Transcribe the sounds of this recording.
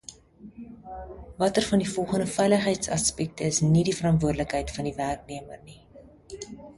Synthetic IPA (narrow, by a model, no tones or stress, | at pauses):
vɐtərfɐndifɔlˠχəndəfɛjləχɦɛjtsɐspɛk̚təəsnidifəɾɐntvuərdələkɦɛjtfɐndiværk̚niəmərni